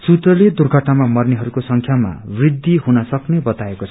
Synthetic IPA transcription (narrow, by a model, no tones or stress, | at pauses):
sut̪rʌled̪urɡʱʌʈnamamʌrneɦʌɾukosʌŋkʰjama̰brid̪ːiɦunʌsʌknebʌt̪aekot͡sʰ